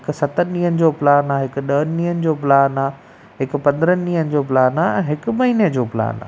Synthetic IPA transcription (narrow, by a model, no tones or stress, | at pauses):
ɦɪkʊsɐt̪əĩːɦənɪ̆d͡ʑoːpɪlaːnaːɦɪkʊ̆ɗɐɦənɪnĩːɦənɪ̆d͡ʑoːpɪlaːnaː | ɦɪkʊ̆pɐ̃nd̪əɾənɪnĩːɦənɪ̆d͡ʑoːpɪlaːnaɛ̃ːɦɪkʊ̆mɐɦiːned͡ʑoːpɪla̰ːna̰ː